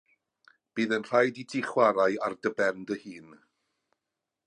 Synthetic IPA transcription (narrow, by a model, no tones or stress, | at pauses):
b̥iːðənr̥ajditʰɪχwaɾaɨardəbɛrndəhɨːn